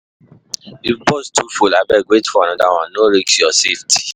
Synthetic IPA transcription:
ibɔstʰufulabɛɡwetfɔanãdaw̃ãnoɾeksjɔsefti̥

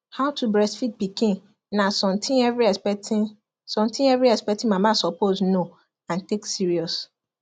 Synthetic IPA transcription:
haʊtʰubɹɛsfit̚pikĩnː | asɔ̃mtʰĩɛvɾiɛsɛt | sɔ̃mtʰĩnɛvɹiɛspɛtĩmãmãsɔpozno | ãnteksiɹiɔs

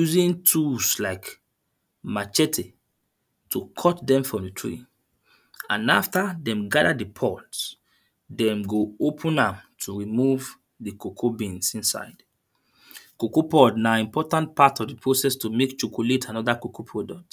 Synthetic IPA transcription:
juzĩntʰuslaɪk | mat͡ʃɛtʰe | tʰukʰɔtdɛ̃mfɹɔ̃mditʰɹḭ | ãnaftadɛ̃mɡadadipʰɔts | dɛ̃mɡoopʰũnãmtʰuɹimuv | dikokʰobĩnsĩnsa̰ɪd | kokopɔdnaĩmpɔtãntpatɔvdipʰɹosɛstumekt͡ʃokʰoletʰãnɔdakokopʰɹɔdɔk̚t

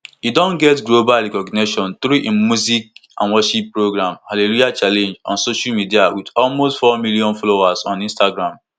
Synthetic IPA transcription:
idɔ̃nɡɛtɡlobalɹikɔɡneʃɔ̃nt̪ɾuʔĩmmːuzik̚ã̰nwɔʃipːɹoɡɾãmhalelujat͡ʃalẽnd͡ʒɔ̰̃nsoʃalmidiawidɔlmostfɔmiliɔ̃nfɔlowazɔ̃nĩnstaɡɾãm

